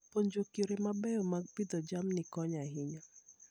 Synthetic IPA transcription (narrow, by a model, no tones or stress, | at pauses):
poɲd͡ʒokiɾemabɛjɔmaɡ̚pid̪ɔd͡ʒamnɪkɔɲaɦɪɲɔ